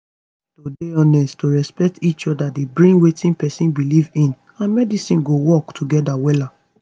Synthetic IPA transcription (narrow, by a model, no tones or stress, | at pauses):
todeɔnɛsttoɹɛspɛk̚tit͡ʃɔdadebɹĩŋɡwetĩnpɛsĩnbilivĩn | ãnmɛdisĩnɡowɔktʰuɡɛdawɛla